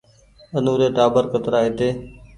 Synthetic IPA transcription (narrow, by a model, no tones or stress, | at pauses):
ənuːɾeːʈaːbəɾkət̪ɾaːɦet̪eː